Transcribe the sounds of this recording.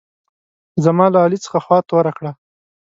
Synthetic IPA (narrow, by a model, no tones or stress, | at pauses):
zamɑlaɑlit͡sə̥xaxwɑt̪oɾakɽa